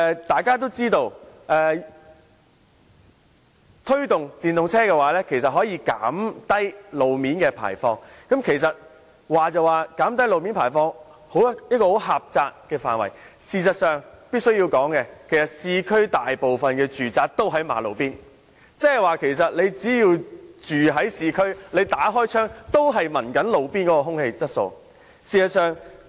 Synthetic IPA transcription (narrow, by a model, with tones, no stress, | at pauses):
t̪aː˨jkaː˥t̪̬o˥wt͡siː˥t̪o˧wʔɛː˨ | t̪ʰɵ˥ɥt̪ʊ˨ŋt̪iː˨nʊ˨ŋt͡sʰɛː˥kɛː˧waː˨˥lɛː˥kʰe˨˩js̬ɐ˨t̚ɦɔː˨˥jiː˧ka̰ː˨˥mt̪ɐ˥jlo˨˧wmiː˨˥nkɛː˧pʰa̰ː˨˩jfɔː˧ŋkɐ˨˥mkʰe˨˩js̬ɐ˨t̚ | waː˨t͡sɐ˨˧waː˨˧kaː˨˥mt̪̬ɐ˥jlo˨˧wmiː˨˥npʰaː˨˩jfɔː˧ŋ | ho˨˥wjɐ˥t̚kɔː˧ho˨˥wɦaː˨p̚t͡saː˧k̚kɛː˧faː˨nwɐ̰˨˩j | siː˨sɐ˨t̚sœː˨ŋpi˥t̚sɵ˥ɥji˧wkɔː˨˥ŋkɛː˧kʰe˨˩jsɐ˨t̚siː˧kʰɵ˥ɥt̪aː˨jpo˨wfɐ˨nkɛː˧t͡ʃyː˨˩t͡saː˧k̚t̪o˥wɦɐ˨˥jma̰ː˨˥lo̰˨˧wpiː˥n | t͡sɛː˥hɐ˨˩jwaː˨˩kʰe˨˩js̬ɐ˨t̚le˨˧jt͡siː˨˥jiː˧wt͡ʃyː˨ɦɐ˨˥jsiː˨˧kʰɵ˥ɥle˨˧jt̪aː˨˥ɦɔː˥jt͡ʃʰœː˥ŋt̪o˥wɦɐ˨jmɐ˨˩nkɐ˨˥nlo˨˧wpiː˥nkɔː˨˥kɔ˧ɦʊ˥ŋhe˧jt͡sɐ˥t̚so˨˧w | siː˨˩sɐ˨t̚sœː˨ŋ